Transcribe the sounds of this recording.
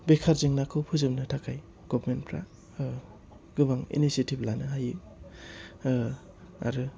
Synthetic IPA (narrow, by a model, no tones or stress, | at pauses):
bekʰaɾzɯŋnakʰɯwpʰɯzɯmnɯtʰakʰaj | ɡ̥ɔbɾmenpʰɾa̰ | ɡɯbaŋḭnisetiblanɯɦajɯ | a̰ɾɯ